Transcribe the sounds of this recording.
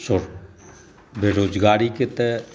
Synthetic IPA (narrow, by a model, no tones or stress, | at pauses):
sʊɾ | beːɾoːd͡ʒɡaːɾiːkɪt̪ɛ